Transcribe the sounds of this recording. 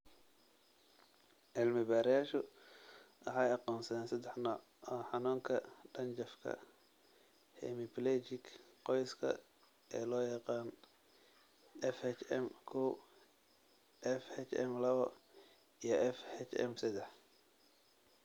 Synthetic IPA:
ʕɪlmɪbaːɾɪjaːʃʊ | ʔɐħɑːjɑqɔːnsɐðɛːnsɐd̪ɛħnɔːʕ | ɔːħɑnuːŋkʰɐɖ̥ɐnt͡ʃɐfkʰɐ̰ | hɛ̰mɪpʰlɛt͡ʃɪkqɔjskʰɐ̰ | ɛːlɔːjɑqɑːn | ɛfhɛt͡ʃɛmkʰuː | ʔɛfhɛt͡ʃɛ̰mlɐβɐ | ijɞʔɛfhɛt͡ʃɛ̰msɐd̪ɛħ

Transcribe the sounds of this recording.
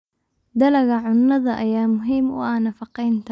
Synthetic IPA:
d̪ɐlɐɣɐʕʊnːɐðɐʔɐjaːmʊɦiːmʊ̰ʔɐːnɐfɑqɛjnt̪ʰ

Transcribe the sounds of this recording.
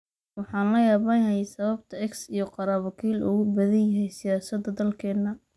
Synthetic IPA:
wɑħɑːnlɐjaːβanjɐɦɛjsɐβɐbt̪ʰɐɛksijɞqɑɾaːβɐkʰiːlʊ̰ɣʊbɐðɐnjɐɦɛjsɪjaːsɐd̪ɐd̪ɐlkʰɛːd̪nɐ

